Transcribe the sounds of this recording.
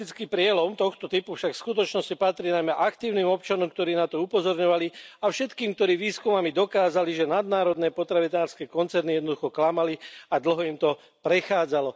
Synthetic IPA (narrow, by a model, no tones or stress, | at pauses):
it͡skiːpɾɪɛlɔmt̪ɔxt̪ɔt̪ipufʃakfskut̪ɔt͡ʃnɔscipat̪ɾiːnajmɛʔakt̪iːʊniːmɔp̚t͡ʃanɔmk̚t̪ɔɾiːnat̪ɔupɔzɔɾɲɔʋaliafʃɛt̪kiːmkt̪ɔɾiːʋiːskumamid̪ɔkaːzaliʒɛnad̪̚naːɾɔd̪nɛːpɔt̪ɾaʋinaːɾskɛːkɔnt͡sɛɾnijɛd̪nɔd̪uxɔklamaliad̪l̩ɦɔimt̪ɔ | pɾɛxaːd͡zalɔ